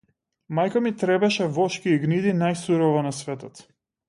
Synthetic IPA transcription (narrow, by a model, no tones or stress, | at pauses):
majkamit̪ɾɛbɛʃɛvɔʃkiːɡnid̪inajsuɾɔvɔnasvɛt̪ɔt̪